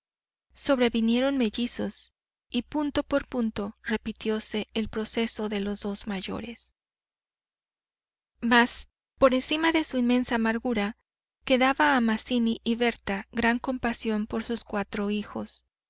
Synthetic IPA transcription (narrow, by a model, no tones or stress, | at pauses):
so̞βɾe̞βinje̞ɾo̞nme̞ʝiso̞s | ipunt̪o̞po̞ɾpunt̪o̞re̞pit̪jo̞se̞ːlpɾo̞se̞so̞ðe̞lo̞zðo̞zmaʝo̞̰ɾe̞s | mas | po̞ɾe̞nsimaðe̞suinmẽ̞nsaːmaɾɣuɾa | ke̞ðaβaːmasiniʔiβe̞ɾt̪aɣɾaŋko̞mpasjo̞mpo̞ɾsuskwat̪ɾo̞ixo̞s